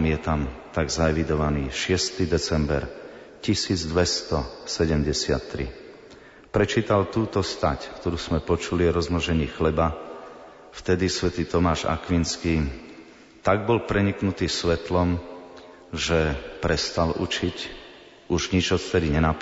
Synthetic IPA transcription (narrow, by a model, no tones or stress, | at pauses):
mjɛt̪amt̪aɡzaɛʋid̪ɔʋaniːʃɪɛst̪id̪ɛt͡sɛmbɛ̰ɾ | cisiːd͡zd̪ʋɛst̪ɔsɛɟɛmɟɛsɪa̰t̪ːɾḭ | pɾɛt͡ʃiːt̪alt̪uːt̪ɔst̪a̰ckt̪ɔɾuːz̥mɛpɔt͡ʃuliɔɾɔzmɔʒɛɲiːxlɛba | ft̪ɛd̪isʋɛt̪iːt̪ɔmaːʒa̰kʋinskiː | t̪aɡ̚bɔlpɾɛɲiknut̪iːsʋɛt̪lɔm | ʒɛpɾɛst̪alʔṵt͡ʃic | uʒɲid͡ʒɔt̪ft̪ɛd̪iɲɛnap